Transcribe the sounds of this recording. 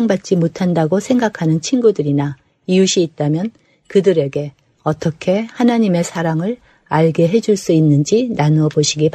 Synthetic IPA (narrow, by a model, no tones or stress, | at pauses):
ŋbat̚t͡ɕ͈imotʰandaɡosʰe̞ŋɡakʰanɯnt͡ɕʰinɡudɯɾina | iuɕʰiːt̚t͈amjʌn | kɯdɯɾe̞ɡe̞ | ʌt͈ʌkʰe̞hanaɲime̞sʰaɾaŋɯɾ | aɭɡe̞ɦe̞d͡ʑuɭs͈uinːɯnd͡ʑinanuʌboɕʰiɡipa